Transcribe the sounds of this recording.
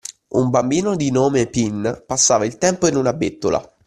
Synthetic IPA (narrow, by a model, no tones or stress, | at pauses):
umbambiːnod̪inoːmepinpasːaːvailt̪ɛmpoinunabet̪ːola̰